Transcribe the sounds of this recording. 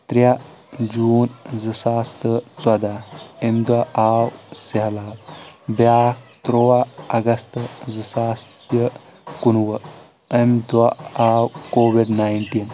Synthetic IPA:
t̪ɾja | d͡ʒuːnzɨsaːst̪ət͡sɐd̪aemd̪waʔaːwsɐɦlaːwbaːt̪ɾowaɐɡɐst̪ɐzɨsaːst̪jɐ | kunwɐ | emd̪waaːwkoːwiɖnajnʈiːn

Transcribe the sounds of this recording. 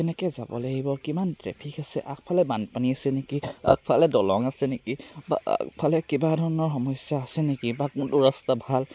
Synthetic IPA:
kɛnɛkɛza̰bɔ̰laɡibɔkimantɹɛ̰pʰikasɛʔak̚pʰalɛbanpaniasɛnekia̰k̚pʰalɛdɔlɔŋasɛnekiba̰a̰kpʰalɛkibadʱɔɹɔnɔɹxɔmɔjsjaːsɛnekibakʊntʊɹastabʱal

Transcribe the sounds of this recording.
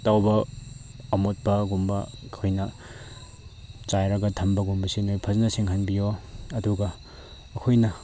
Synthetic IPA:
tawbɐː | mot̚pɐɡumbɐkʰojnɐ | t͡ʃajɾɐɡɐtʰɐmbɐɡumbɐsinojpʰɐznɐsiŋɦanbijoɐduɡɐː | kʰojnɐ

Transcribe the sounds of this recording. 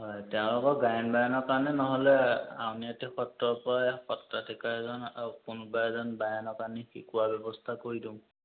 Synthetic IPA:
ɦɔjtɛʊ̃lɔkɔɡajɔnbajanɔkaɹnɛnɔɦɔlɛa̰uniatixɔtɹɔpɔɹajxɔtɹatʰikaɹɛzɔnakunubajɛzɔnbajanɔkaɹnixḭkuwabɛbɔstʰakoɹidũ

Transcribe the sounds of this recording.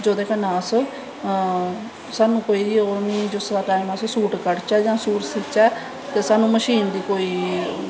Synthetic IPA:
d͡ʒoːd̪eːkənãːsə | saːnũːkoːiːiːoɾnĩːd͡ʒoːsɾaːʈaːimaːsəsuːʈkəɽt͡ʃɛːd͡ʒãːsuːʈsɪt͡ʃɛː | t̪eːsaːnũːməʃiːnd̪iːkoːiː

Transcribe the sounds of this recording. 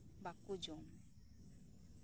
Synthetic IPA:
bakud͡ʒoŋ

